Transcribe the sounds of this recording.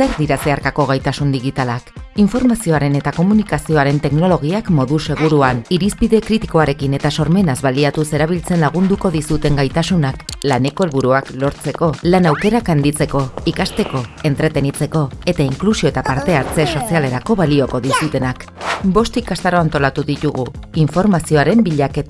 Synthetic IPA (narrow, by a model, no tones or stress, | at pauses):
se̞ɾd̪iɾase̞aɾkako̞ɣ̞ajt̪asund̪iɣit̪alakiɱfo̞ɾmasio̞aɾe̞ne̞t̪ako̞munikasio̞aɾe̞nt̪e̞kno̞lo̞ɣ̞iakmo̞ðuse̞ɣ̞uɾuaniɾispiðe̞kɾit̪iko̞aɾe̞kine̞t̪aso̞ɾme̞nazβaliat̪use̞ɾaβ̞ilt͡se̞nlaɣ̞und̪uko̞ðisut̪e̞ŋɡajt̪asunaklane̞ko̞e̞lβuɾuaklo̞ɾt͡se̞ko̞lanawke̞ɾakand̪it͡se̞ko̞ikast̪e̞ko̞e̞nt̪ɾe̞t̪e̞nit͡se̞ko̞e̞t̪aiŋklusio̞et̪apaɾt̪e̞aɾt͡se̞so̞siale̞ɾako̞βalio̞ko̞ðisut̪e̞nakbo̞st̪ikast̪aɾo̞ant̪o̞lat̪uðit̪uɣuiɱfo̞ɾmasio̞aɾe̞mbiʎaket̪